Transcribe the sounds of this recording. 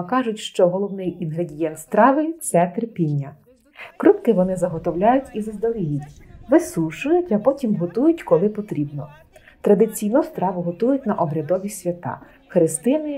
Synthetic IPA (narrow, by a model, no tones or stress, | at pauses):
kɑʒʊtʲʃt͡ʃɔɦɔlˠɔwnɪjinɦɾedʲijɛnt̪st̪ɾɑʋɪt̪sɛt̪erpʲinʲːɐ | kɾup̪kɪʋɔnɪzɐɦɔt̪ɔwlʲajʊtʲizɐzd̪ɐlʲˠijitʲʋɪsuʃʊjʊtʲɐpɔtʲimɦɔt̪ujʊtʲkɔlˠɪpɔt̪ɾʲibnɔ | t̪ɾɐd̪ɪt͡sʲijnʊst̪ɾɑʋʊɦɔt̪ujʊtʲnɐʔɔbɾʲɐd̪ɔʋʲisʲʋʲɐt̪ɑ̰ | xɾɪst̪ɪnɪ